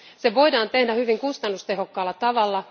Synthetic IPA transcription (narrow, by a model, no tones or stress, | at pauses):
seʋo̞idɑːnt̪ehdæhyʋiŋkust̪ɑnːust̪ehokːɑːlːɑt̪ɑʋɑlːɑ